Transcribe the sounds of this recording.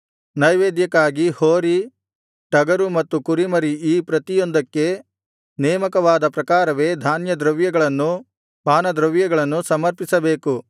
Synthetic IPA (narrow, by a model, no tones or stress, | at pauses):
nɐjʋeːd̪jɐkːaːɡihoːɾi | ʈɐɡɐɾumɐt̪ːukuɾimɐɾiiːpɾɐt̪ijond̪ɐkːe̞ | nɛːmɐkɐʋaːd̪ɐpɾɐkaːɾɐʋe̞ːd̪ʱaːnjɐd̪ɾɐʋjɐɡɐɭɐnːu | paːnɐd̪ɾɐʋjɐɡɐɭɐnːusɐmɐɾpisɐbe̞ːku